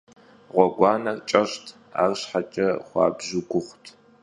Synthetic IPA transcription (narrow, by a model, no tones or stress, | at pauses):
ʁʷɔɡʷɑːnɐrt͡ʃʼɐɕtʰ | a̰ːrɕħat͡ʃʼɐχʷɑ̰ːbʑʊɡʷʊχʷtʰ